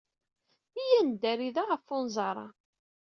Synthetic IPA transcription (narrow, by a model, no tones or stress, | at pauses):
ijænd̪æɾiðaʁəfʊnzˤɑɾˤɑ̰